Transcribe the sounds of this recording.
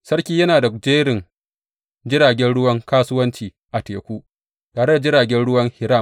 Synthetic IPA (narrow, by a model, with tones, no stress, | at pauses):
sɐ˦rkʲiː˦jɐ˦naː˨da˨d͡ʒeː˦ɽɪ˨n | d͡ʒɪ˦ɾaː˨ɡʲɛ˦nɽʊ˦wɐ˦ŋkaː˦sʊ˦wɐ˦nt͡ʃiː˨ | ʔa˨teː˨kʷuː˦ | taː˨ɾe˦da˨d͡ʒɪ˦ɽaː˨ɡʲɛ˦nɽʊ˦wɐ˦ŋhɪ˨ɾa˦˨m